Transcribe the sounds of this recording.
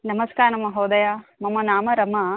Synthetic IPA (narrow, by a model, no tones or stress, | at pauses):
nɐmɐskaːɾnɐmɐɦoːd̪ɐjaːmɐmɐnaːmɐɾɐmɐ